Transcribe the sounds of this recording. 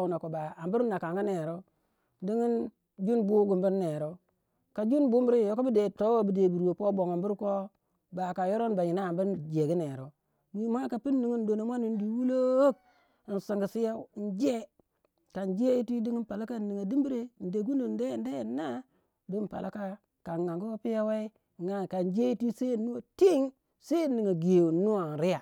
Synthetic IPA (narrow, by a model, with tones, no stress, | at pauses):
u˨na˨ko˨ba˨a˨mbu˦ɾnː˦a˨ka˨ŋɡi˦ne˨ɾo˦ | di˦ŋi˦n | d͡ʒu˦nbu˦ɡu˨mbi˦nːe˨ɾo˦ | ka˨d͡ʒu˦nbu˦m˦ɾi˦˨jo˦ko˦bi˦de˨to˦wo˦bi˨de˨bu˨ɾo˨po˦bo˨ŋa˨mbu˦ɾko˦ | ba˨ka˨jo˦ɾo˦nba˨ji˨na˦a˨mbu˦ɾd͡ʒe˨ɡi˦ne˨ɾo˨ | wi˦mʷa˦ka˨pi˦nːi˨ŋi˦n˦do˨no˨mʷ˦a˦ni˨n˦di˨wu˦lo˦k̚ | n˨si˨ŋɡi˨si˦ja˦˨n˦d͡ʒe˦ | ka˨nd͡ʒe˦ji˦ti˦di˦ŋi˦n˦pa˨la˦ka˦˨nːi˨ŋa˨di˦mbi˦ɾe˦˨n̩˨de˨ɡu˦ni˨n˦de˦˨n˦de˦˨˦nːa˦ | di˦mpa̰˨lʔa̰˦ka˦ | ka˨ŋa˨ŋɡu˦wo˦pi˦ja˦we˦i˦˨ | ŋa˨ka˨nd͡ʒe˦ji˦ti˦se˦˨nːu˦wo˨ti˦ŋ | se˦˨nːi˨ŋa˨ɡe˨wu˨nːu˦wa˨n˨ɾi˦ja˨